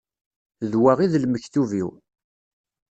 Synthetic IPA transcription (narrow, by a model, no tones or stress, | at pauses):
ðwaʁiðlməçθuviw